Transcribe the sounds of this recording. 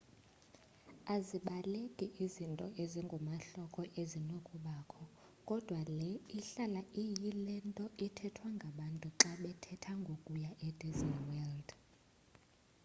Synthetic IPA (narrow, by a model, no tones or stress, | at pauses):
aziɓalekʼiʔizintʼɔʔeziŋɡʱɔmaɬɔkʰʼɔʔezinokʼuɓaːkʰɔ | kʼɔd̥ʱwalɛiɬalaʔijilɛntʼɔʔitʰɛtʰwaŋɡʱaɓantʼuǁaɓɛtʰɛtʰaŋɡʱokʼujaʔɛd̥izniwɛld̥